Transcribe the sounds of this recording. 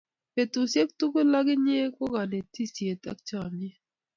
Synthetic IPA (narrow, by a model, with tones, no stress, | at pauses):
pe˨tu˨sje˦k̚tu˦ko˦la˦ɡɪ˦ɲe˦ko˦ɡa˨ne˨ti˦˨sje˨ta̰˦kt͡ʃa˦˨me˦